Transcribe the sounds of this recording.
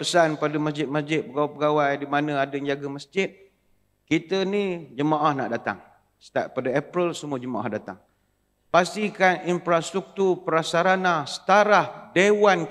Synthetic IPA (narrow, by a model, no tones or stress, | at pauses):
pəsanpadəməsd͡ʒɪt̪̚məsd͡ʒɪt̪̚pəɡawapəɡawajdimanə̃adəəɲd͡ʒaɡəməsd͡ʒɪt̪̚ | kit̪ənid͡ʒəmaʔahna̰ʔdat̪a̰ŋ | sə̥t̪aʔpadaepɾəlsəmuad͡ʒəmaʔa̰hdat̪a̰ŋ | past̪ikaninfɾast̪ɾuk̚t̪urpəɾasaɾanasə̥t̪aɾahdewan